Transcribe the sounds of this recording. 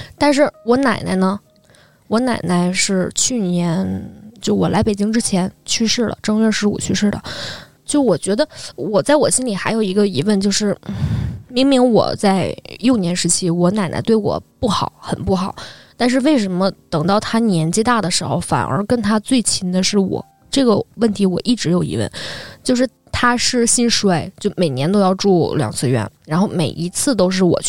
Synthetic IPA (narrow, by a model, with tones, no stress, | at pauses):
t̪a˥˧nʂ̬ɻ̩˥˩wɔ˧˥na˨˩ɪna̰˧˥ɪnə˧ | wɔ˧˥na˨˩ɪna˧˥ɪʂɻ̩˥˧t͡ɕʰy˥˩njɛ˧˥nt͡ɕjo˥˩ʊwɔ̰˨˩lʔa˧˥ɪpe˨˩ɪt͡ɕi˥ŋʈ͡ʂɻ̩˥t͡ɕʰjɛ˧˥nt͡ɕʰy˥˧ʂɻ̩˥˩lə̰˩ʈ͡ʂɑ˥ŋɥɛ˥˧ʂɻ̩˧˥ṵ˨˩t͡ɕʰy˥˧ʂɻ̩˥˩lə̰˩ | t͡ɕjo˥˩ʊwɔ˨˩t͡ɕɥɛ˧˥d̪ə˧wɔ˨˩t͡sa˥˩ɪwɔ˨˩ɕi˥nli˨˩xa˧˥ɪjo˨˩ʊi˧˥ɡə˧i˧˥wə˥˧nt͡ɕjo˥˧ʊʂɻ̩˥˩ | mi˧˥ŋmi˧˥ŋwɔ̰˨˩t͡sa˥˧ɪjo˥˩ʊnjɛ˧˥nʂɻ̩˧˥t͡ɕʰi˥wɔ˧˥na˨˩ɪna̰˧˥t̪we˥˩wɔ̰˨˩pu˥˩xɑ˨˩˦ʊxə˨˩npu˥˩xɑ˨˩˦ʊt̪a˥˧nʂ̬ɻ̩˥˧we˥˩ɪʂə˧˥nmə˧t̪ɤ˨˩ŋt̪ɑ˥˩ʊt̪ʰa˥njɛ˧˥nt͡ɕi˥t̪a˥˩d̪ə˩ʂɻ̩˧˥xo̰˥˧ʊfa̰˨˩nʔə̰˞˧˥kə˥nt̪ʰa˥t͡swe˥˩ɪt͡ɕʰi˧˥nd̪ə˧ʂɻ̩˥˩wɔ̰˨˩˦ | ʈ͡ʂɤ˥˩ɡə˩wə˥˩nt̪ʰi˧˥wɔ˨˩ʔi˥˩ʈ͡ʂɻ̩˧˥jo˨˩ʊḭ˧˥wə̰˥˩nt͡ɕjo˥˧ʂ̬ɻ̩˥˩ | t̪ʰa˥ʂɻ̩˥˩ɕi˥nʂe˥ɪt͡ɕjo˥˩ʊme˨˩ɪnjɛ˧˥nt̪̬o˥ʊjɑ˥˧ʊʈ͡ʂu˥˩ljɑ̰˨˩ŋt͡sʰɹ̩˥˩ɥɛ̰˧˥nɻa˧˥nxo˥˩ʊme˨˩ɪʔi˧˥t͡sʰɹ̩˥˩t̪̬o˥ʊʂ̬ɻ̩˥˩wɔ̰˨˩t͡ɕʰ